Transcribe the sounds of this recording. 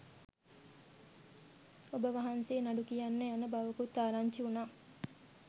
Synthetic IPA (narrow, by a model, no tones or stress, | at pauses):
obəʋaɦanseːnaɖukijanːejanəbaʋəkut̪ːaːɾaɲt͡ʃiunaː